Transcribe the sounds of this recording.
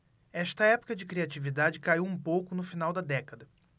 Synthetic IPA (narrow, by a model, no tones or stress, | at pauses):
ɛʃt̪ɐɛpʊ̥kɐd͡ʒɪkɾiat͡ʃivid̪ad͡ʒɪkaiwũpowkʊnʊfinawd̪ɐd̪ɛkɐd̪ɐ